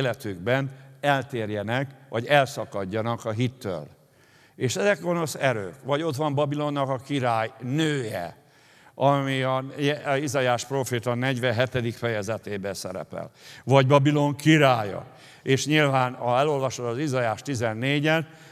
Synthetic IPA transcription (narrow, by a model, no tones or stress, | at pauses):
lɛt̪yɡbɛnɛlt̪eːrjɛnɛkʋɒɟɛlsɒkɒɟːɒnɒkɒɦit̪ːø̰ːl | eːʃɛzɛkɡo̞no̞sɛɾø̰ːkʋɒɟo̞t̪ʋɒmbɒbilo̞nːɒkɒkiɾaːjnøːjɛ̰ | ɒmiɒjɛizɒjaːʃproːfeːt̪ɒnɛɟʋɛɦɛt̪ɛd̪ikfɛjɛzɛt̪eːbɛsɛɾɛ̰pɛ̰lvɒɟbɒbilo̞ŋkiɾaːjɒ̰ | eːʃɲilvaːnɒɛlo̞lvɒʃod̪ɒzizɒjaːʃt̪izɛnːeːɟɛn